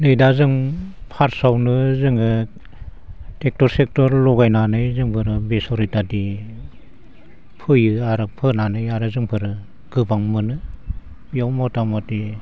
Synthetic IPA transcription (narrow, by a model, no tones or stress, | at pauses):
nɯjdazɯŋpʰaɾsawnɯzɯŋɯ | tek̚tɔɾsek̚tɔɾlɔɡajnanɯjzɯŋpʰɯɾɯbesɔɾitadi | pʰɯjɯaɾɯpʰɯnanɯjaɾɯzɯŋpʰɯɾɯ | ɡ̥ɯbaŋmɯnɯ | jawmɔtamɔti